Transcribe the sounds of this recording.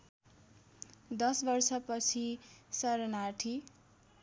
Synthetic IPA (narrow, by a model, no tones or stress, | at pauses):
d̪ʌsbʌrsʌpʌt͡sʰisʌɾʌnaʈʰi